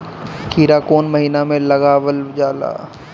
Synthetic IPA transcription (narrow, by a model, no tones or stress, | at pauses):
kʰiːɾakoːnmɐɦiːnamẽlɐɡaʋəld͡ʒaːla̰ː